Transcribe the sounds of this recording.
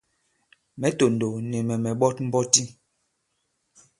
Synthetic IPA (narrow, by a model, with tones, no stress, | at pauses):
mɛ˨˦to˨n˨do˨nɛ˨mɛ˨mɛ˨ɓɔ˦t̚m̩˦bɔ˦ti˦